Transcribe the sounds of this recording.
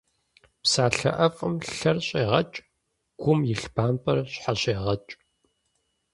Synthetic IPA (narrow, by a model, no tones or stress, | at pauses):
psaːɬɐ̰ʔɐfʼɨmɬɐrɕʼeːʁɐt͡ʃʼ | ɡ̥ʷʊmjɪɬbaːmpʰʼɐrɕħaɕʼeːʁɐt͡ʃʼ